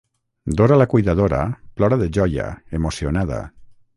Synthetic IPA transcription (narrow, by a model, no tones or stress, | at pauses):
d̪oɾalakujðað̞oɾa̰plɔɾaðeʒɔja̰emosionað̞a̰